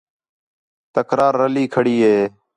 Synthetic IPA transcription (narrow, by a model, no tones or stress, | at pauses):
t̪əkɾaːɾːəliːkʰəɽiːɦeː